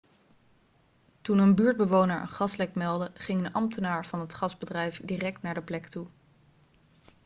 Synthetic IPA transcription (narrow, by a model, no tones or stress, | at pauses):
tunənbyːɹd̚bəʋownəɹʔə̰nχɑslɛk̚mɛlˠdəχɪŋənɑmtənaːɹv̥ɑnɦətχɑzbədrɛjfdirɛk̚tnaːɹdəplɛktu